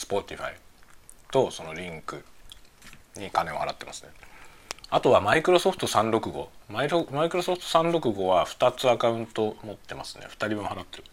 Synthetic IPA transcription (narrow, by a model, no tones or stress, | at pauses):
sɨ̥po̞t̪ʲiɸa̰it̪o̞so̞no̞ɾʲĩŋkɯ | ɲ̟ikane̞ohaɾat̪ːe̞masɨ̥ne | at̪o̞βamaikɯ̟ɾo̞so̞ɸɯ̟̥t̪osãnɾo̞kɯ̟ɡo̞̰maiomaikɯ̟ɾo̞so̞ɸt̪osãnɾo̞kɯ̟ɡo̞βaɸɯ̟̥t̪at͡sɨakaɯ̟̃nt̪o̞mo̞t̪ːe̞masɨ̥ne̞̰ɸɯ̥t̪aɾʲimmõhaɾat̪ːe̞ɾɯ